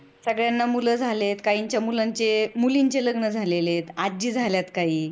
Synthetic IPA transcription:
səɡɭjanːamuləd͡zʱalet̪kaiɲt͡ɕjamulaɲt͡ɕemuliɲt͡ɕeləɡnəd͡zʱalelet̪ad͡ʑiːd͡zʱaljat̪kaɦiː

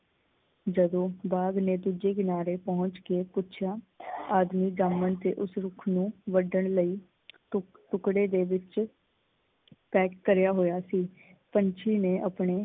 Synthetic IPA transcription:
d͡ʒəd̪õːbaːɡneːd̪ud͡ʒeːɡɪnaːɾeːpɔɦʊ̃ɲt͡ʃkeːpʊtːt͡ʃʰjaː | aːd̪miːd͡ʒaːmənt̪ḛːʔʊsɾʊkʰnũːʋəɖəɳləiː | ʈʊkɽeːd̪eːʋɪt͡ʃ | pɛːkːəɾjaːɦoːjaːsiː | pəɲt͡ʃʰiːneːʔəpɳeː

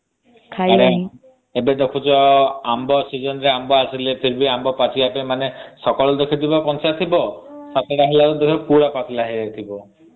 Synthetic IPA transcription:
kʰaaɾe | ebed̪ekʰut͡ʃɔambɔsid͡ʒɔnɔɾeambɔasilepʰiɾbiambɔpat͡ʃiapemanesɔkɔɭɔd̪ekʰit̪ibɔpɔnsat̪ʰibɔsat̪ʰeɾaɦilaɾud̪ekʰɔpuɽapat̪ʰilaɦiet̪ʰibɔ

